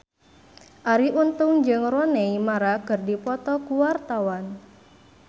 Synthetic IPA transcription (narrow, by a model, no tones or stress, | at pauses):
ʔaɾiʔunt̪ʊŋd͡ʒɨŋrɔnɛimaɾakɨrdipɔt̪ɔkuwart̪awan